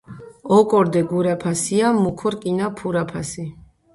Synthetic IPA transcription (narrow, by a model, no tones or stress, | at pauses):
ɔkʼɔɾd̪ɛɡuɾapʰasiamukʰɔɾkʼinapʰuɾapʰasi